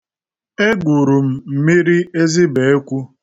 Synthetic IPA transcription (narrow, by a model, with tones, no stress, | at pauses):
e˦ɡʷu˨ɾu˨m̩˨m̩˨mi˦ɾi˦e˦zɪ˦be˨e˦kʷu˦